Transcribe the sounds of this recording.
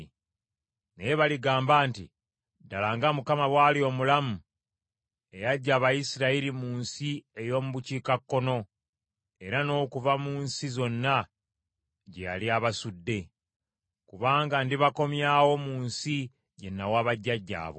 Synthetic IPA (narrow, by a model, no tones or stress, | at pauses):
nejeβaliɡaːmbaːntḭ | dalaŋɡamukamaβwaːlio̞mulamu | e̞jaɟːaːβajisiɾailimuːnsiejo̞ːmuβuciːkakːo̞no̞ | e̞ɾano̞ːkuvamuːnsizo̞nːa | ɟeja̰liaβasudːe̞ | kuβaːŋɡandiβako̞mjaːwo̞muːnsi | ɟe̞nːawaːβaɟːaɟːa̰ːβo̞̰